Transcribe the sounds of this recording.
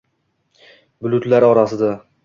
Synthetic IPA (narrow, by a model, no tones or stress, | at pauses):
bʊlʊt̪laɾɒɾasɪd̪a